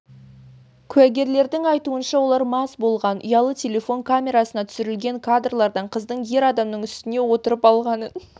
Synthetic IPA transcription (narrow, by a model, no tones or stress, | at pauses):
kʲʰʉæɡʲe̞ɾle̞ɾd̪ɪŋɑjt̪uənʃɑwo̞lˠɑɾmɑsbo̞lˠʁɑnʊ̰jɑlˠət̪ʲʰe̞le̞fo̞ŋkʰamʲe̞ɾasənɑt̪ʰʏ̥sɪɾɪlɡʲe̞ŋkʰad̪rlˠɑɾd̪ɑɴqʰəzd̪əɴje̞ɾɑd̪ɑmnəɴʏst̪ɪne̞wo̞t̪əɾəpɑlˠʁɑnən